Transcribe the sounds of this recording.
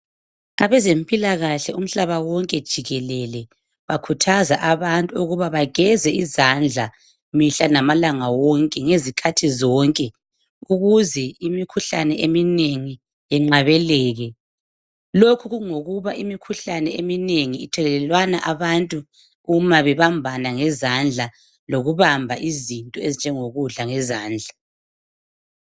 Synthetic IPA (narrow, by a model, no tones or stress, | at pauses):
aβɛzempʼilaɣaɬɛum̩ɬaβawɔŋkʼɛd̥ʒ̥ʱiɣɛlɛlɛ | βakʰutʰazaʔaβantʼuuɣuβaβaɣɛzɛizand͡ɮʱa | miɬanamalaŋawɔŋkʼɛŋezikʰatʰizɔŋkʼɛ | uɣuzɛimikʰuɬanɛʔemineŋi | jɛŋ͡ǁaβɛlɛːɣɛ | lokʰuɣuŋoɣuβaʔimikʰuɬanɛemineŋiːtʰɛlɛlɛlwanaʔaβantʼu | umaβɛβambʱanaŋɛzand͡ɮʱa | loɣuβambʱaʔizintʼɔezind͡ʒʱɛŋoɣuɮaŋɛzaːnd͡ɮʱa